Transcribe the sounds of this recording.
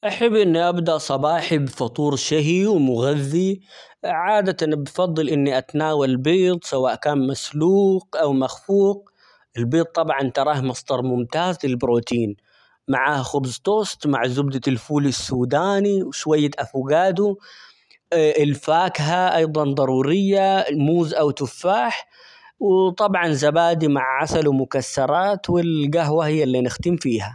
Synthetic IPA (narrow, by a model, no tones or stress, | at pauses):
ʔaħabːʔɪnːiʔabd̪aʔsˤɑbɑːħibfɑt̪ˤuːɾʃɪɦiwmʊɣaðːi | ʕaːd̪at̪anbfɑðˤːɨlʔɪnːiʔat̪naːwalbiːt̪ˤsawaːʔkaːnmasluːqʔawmaxfuːq̚ | ʔɪlbiːt̪̚ˤːɑbʕɑnt̪ɑɾˤɑːhmɑsˤd̪ɑɾˤmʊmt̪aːzlɪlbɾoːt̪iːn | maʕaːhxʊbzt̪ˤoːst̪maʕzʊbd̪alfuːlɪsːuːd̪aːniwʃwajːaʔafuɡaːd̪u | ʔɪlfaːkɦaʔɑjðˤɑnd̪ˤɑɾˤuːɾɪjːalmuːzʔawt̪ʊfːaːħ | wt̪ˤɑbʕɑnzabaːd̪imaʕʕasalwmʊkasːɑɾˤɑːt̪wɪlɡaɦwahɪjːalːinɪxt̪ɪmfiːha